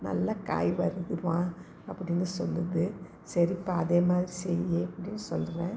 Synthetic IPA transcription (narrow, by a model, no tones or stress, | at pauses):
nɐ̰lːɐka̰ːjʋɐɾɯðɯʋãː | ɐpːɐɽɪnːɯsɔlːɐðɯ | sɛɾɪpːaɐðeːmaːðɪɾisɛjeːɐpːɐɽɪnːɯsɔldɯɾẽː